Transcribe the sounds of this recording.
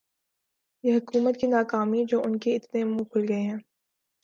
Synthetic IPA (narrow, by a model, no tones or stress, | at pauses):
jeɦɐkuːmət̪̚kinaːkaːmid͡ʒoːʊnkeɪt̪nemũkʰʊlɡɐeɦɛ̃ː